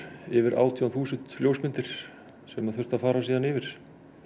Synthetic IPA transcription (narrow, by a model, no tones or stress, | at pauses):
ɪvɪɾʔa̰ːwt̪ʰijawθuːsɪnt̪ljoːwsmɪnt̪ɪɾ̥ | sɛmaðθʏ̥t̪aðfaːɾasiːðanɪːvɪɾ̥